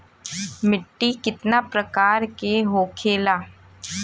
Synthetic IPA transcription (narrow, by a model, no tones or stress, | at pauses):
mɪʈːikɪt̪napɾɐkaːɾkeɦoːkʰeːlaː